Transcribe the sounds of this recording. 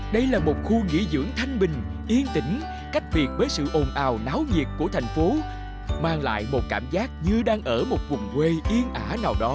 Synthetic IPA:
ɗə˧jlaː˨˩mo˨˩t̚xu˧ŋḭ˧˥zɨ̰˧˥əŋt̪ʰa˧jŋ̟ɓï˨˩ŋ̟ʔi˧ənt̪ï˧˩ŋ̟ | ka˦˥jk̟̚vi˨˩ət̚vəː˨˦jsɨ̰˧˨ʔo˨˩nʔaː˨˩wnaː˨˦wɲi˨˩ət̚ku˧˩ət̪ʰjŋ̟fo˨˦ | maː˧˩ŋla̰ː˧˨jmo˨˩t̚kaː˧˩mzaː˦˥k̚ɲɨ˧ɗaː˧ŋʔəː˧˩mo˨˩t̚kʊ˨˩ŋ͡mkwe˧ʔi˧ənʔaː˧˩naː˨˩wɗɔ˨˦

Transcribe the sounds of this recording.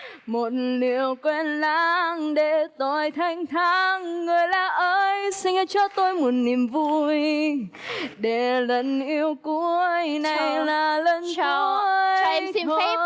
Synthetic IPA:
mo˨˩t̚li˨˩əwkwɛ˧nlaː˧˥ŋɗe˧˩t̪ɔ˧˨˩jt̪ʰa˧˩jŋ̟t̪ʰa˧˥ŋːɨ˨˩əjlaː˨˩ʔəː˧jsï˧ŋ̟˧t͡ɕɔ˧t̪o˧jmu˨˩t̚ni˨˩əmvu˧j | ɗe˧˩lə˨˩nʔi˧əwku˧˥əjna˨˩jlaː˨˩lə˧n˨˦wə˧i˧

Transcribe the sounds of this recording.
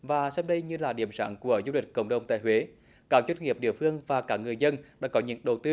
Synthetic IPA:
vaː˨˩sa˧w̚ɗə˧jɲɨ˧laː˨˩ɗi˧˩əmsa̰ː˧˥ŋku˧˩əzu˧lï˨˩k̟̚kə̰˧˩wŋ͡mɗə˨˩wŋ͡mt̪a̰ː˧˨jɦwe˨˦ | kaː˨˦˥k̚zwə˦˥nŋi˨˩əp̚ɗḭ˧˨əfɨ˧əŋvaː˨˩kaː˦˥k̚ŋɨ˨˩əjzə˧nɗa̰ː˧˥kɔ˨˦ɲɨ̰˧˥ŋɗə˨˩wt̪ɨ˧

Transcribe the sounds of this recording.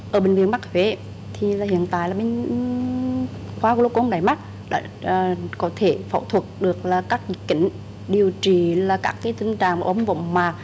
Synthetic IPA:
ʔəː˧˩ɓï˨˩ŋ̟vi˧˨ənma˦˥k̚hwe˨˦ | t̪ʰi˨˩laː˨˩hḭ˧˨ənt̪a̰ː˧˨jlaː˨˩ɓe˧n | xwaː˧˦lo˧kʔo˧ŋ͡mɗaː˧˩jma˦˥t̚ | ɗa̰ː˧˥˨ | kɔ˨˦t̪ʰe˧˩fə̰˧˩wt̪ʰwə˨˩t̚ɗɨ˨˩ək̚laː˨˩kaː˦˥k̚zi˧˦kːï˧˩ŋ̟ | ɗi˨˩əwt͡ɕi˨˩laː˨˩kaː˦˥kːaː˨˦jt̪ï˧ŋ̟t͡ɕa̰ː˧˨ŋvaː˨ʔə˧˦wŋ͡mvə̰˧˨wŋ͡mmaː˨˩

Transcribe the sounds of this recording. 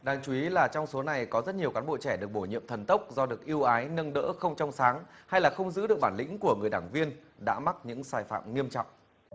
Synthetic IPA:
ɗaː˨˧˩ŋt͡ɕu˧˩i˨˦laː˨˩t͡ɕɔ˧wŋ͡mso˨˦na˨˩jkɔ˨˦zə˦˥t̚ɲi˨˩əwkaː˨˦nɓo̰˧˨t͡ɕɛ˧˩ɗɨ˨˩ək̚ɓo˧˩jɲḭ˧˨əmt̪ʰə˨˩nt̪ə˦˥wk͡p̚zɔ˧ɗɨ˨˩ək̚ʔi˧əwʔaː˨˦jnə˧nɗə̰ː˧˥xə˧wŋ͡mt͡ɕɔ˧wŋ͡msaː˨˦ŋha˧jlaː˨˩xə˧wŋ͡mzɨ̰˧˥ɗɨ˨˩ək̚ɓaː˧˩nlḭ̈˧˥ŋ̟ku˧˩əŋɨ˨˩əjɗaː˧˩ŋvi˧ənɗa̰ː˧˥ma˦˥t̚ɲɨ̰˧˥ŋsaː˧˩jfa̰ː˧˨mŋi˧əmt͡ɕɔ̰˧˨wŋ͡mʔ

